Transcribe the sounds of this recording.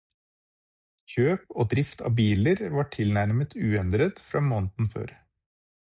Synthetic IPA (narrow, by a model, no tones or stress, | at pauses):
çøːpoːd̪ɾɪft̪ʰɑ̰ːbiːləɾʋɑʈʰɪlnæɾmət̪ʰʉːɛnd̪ɾət̪fɾɑːmoːnt̪n̩fø̰ːɾ